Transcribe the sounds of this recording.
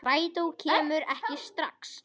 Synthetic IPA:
raːjt̪owcʰɛːmʏɾɛhcɪst̪ɾaks

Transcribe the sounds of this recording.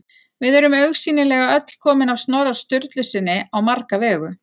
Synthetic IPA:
vɪðɛɾʏmœɥxsiːnɪlɛɣaœt̪l̥kʰɔːmɪnawst̪nɔːwɾaɾ̥st̪ʏɾt̪lʏsɪnːɪawmaɾkavɛːɣʏ

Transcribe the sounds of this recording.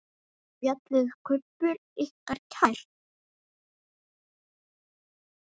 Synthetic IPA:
pjat̪lɪɣkʰœpːʏɾihkaɾ̥cʰajɾ̥

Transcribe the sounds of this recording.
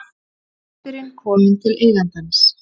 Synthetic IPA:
t̪ʏɾɪnkʰɔːmɪnt̪ʰɪleːjlant̪ans

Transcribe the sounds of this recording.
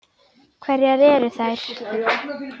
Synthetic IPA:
kʰvɛɾjɛðɛɾʏθajɾ̥

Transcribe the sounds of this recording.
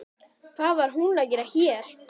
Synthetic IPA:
kʰθaðvaɾ̥ɦunacɛɾaçjɛːɾ̥

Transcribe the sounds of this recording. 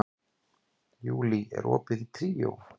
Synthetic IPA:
juːliʔɛ̰ɾʔɔːpɪðit̪ʰɾiːjow

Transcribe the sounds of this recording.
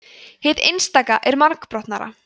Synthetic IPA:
hɪðejnst̪aːkaʔɛɾmaɾkpɾɔht̪naɾa̰

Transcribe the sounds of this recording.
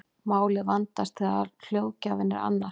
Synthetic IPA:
maːwlɪðvant̪ast̪θɛafjoːwcavɪnːɪɾa̰nːa

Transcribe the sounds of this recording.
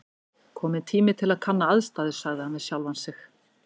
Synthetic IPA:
kʰɔːmɪnt̪ʰiːmɪt̪ʰɪlaðkʰanːaaðst̪aːðɪ̥saɣðɪhanvɪðsjawlvansɪx

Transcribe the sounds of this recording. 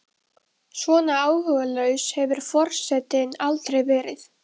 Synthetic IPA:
svɔːnaaːwhœːɣalœɥshɛvʏɾ̥fɔr̥sɛt̪ɪnalt̪ɾejvɛːɾɪθ

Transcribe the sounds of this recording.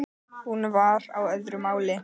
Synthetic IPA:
hunvaɾawœðɾʏmaːwlɪ

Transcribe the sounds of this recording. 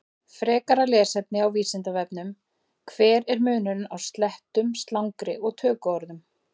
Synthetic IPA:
fɾɛːkaɾalɛːsɛp̪nɪawviːsɪnt̪avɛpnʏm | kʰvɛːɾɛɾmʏːnʏɾnawst̪lɛht̪ʏmst̪lawŋkɾɪʔɔɣt̪ʰœːkɔɾðʏm

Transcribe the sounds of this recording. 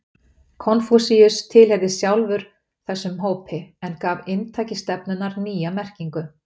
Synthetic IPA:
kʰɔnfusiʏst̪ʰɪlɦɛvðɪsjawlvʏɾ̥ | θɛsːʏmɦoːwpʰɪɛnkaːvɪnt̪ʰaːjcɪst̪ɛpnʏnaɾniːjamɛr̥ciŋkʏ

